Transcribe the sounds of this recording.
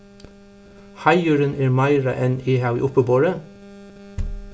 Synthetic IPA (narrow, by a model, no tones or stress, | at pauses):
hɑɪʉːɾənʔæːɾmæɪɾə̰ʔɛniːhɑʊḭːʔʊpəboːɹə